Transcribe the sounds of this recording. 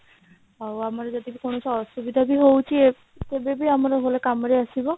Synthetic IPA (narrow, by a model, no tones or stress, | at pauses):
awamaɾed͡ʒɔd̪ibikonosɔɦsubid̪ʱabiɦowt͡ʃʰie | t̪ebebiamaɾeɦolekamɾeasibɔ